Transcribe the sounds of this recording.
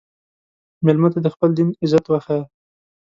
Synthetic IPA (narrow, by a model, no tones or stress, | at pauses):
mɪlmat̪ad̪əxpəld̪inɪzat̪waxa